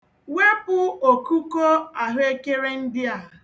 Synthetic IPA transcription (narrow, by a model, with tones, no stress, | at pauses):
we˦pʊ˦o˨ku˦ko˦a˨ɦʊ˦e˦ke˦ɾe˦n̩˦dɪ˦a˨